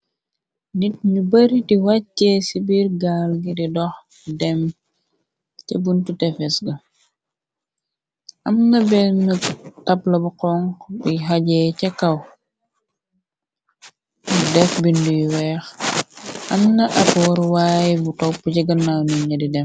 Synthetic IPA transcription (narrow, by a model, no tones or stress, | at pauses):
nit̚ɲubɐɾidiwaːɛsibirɡalɡididɔx | dɛm | tɛbuntutɛfɛsɡɐ | ʔɐmnɐbɛnutɐplɐbuqɔŋkbiɦaɟɛcɐkɐw | udɛfbindujiwɛx | ʔɐmnɐʔɐpwɔɾwaːjibutɔpːuciɡɐnawniɲɐdidɛm